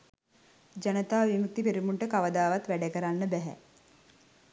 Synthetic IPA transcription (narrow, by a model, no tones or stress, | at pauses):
d͡ʒanət̪aːʋimuk̚t̪ipeɾimuɳʈəkaʋəd̪aːʋat̪ʋæɖəkəɾanːəbæɦæ̰